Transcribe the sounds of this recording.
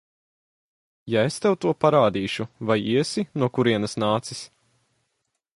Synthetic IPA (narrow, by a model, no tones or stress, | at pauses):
jaest̪ɛwt̪uɔpaɾaːd̪iːʃuvajiɛsinuɔkuɾiɛnɐsnaːt̪sis